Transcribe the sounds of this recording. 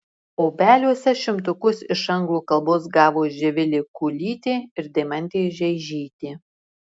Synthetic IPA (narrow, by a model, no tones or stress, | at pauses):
oːbʲæːlʲuɔsʲɛʃʲɪmt̪ʊkʊsɪʃɐŋɡlˠuːkɐlˠboːsɡɑːʋoːʒʲɛʋʲɪlʲeːkuːlʲiːt̪ʲeːɪɾd̪ʲɛmɐnʲt̪ʲeːʒʲɛɪʒʲiːt̪ʲeː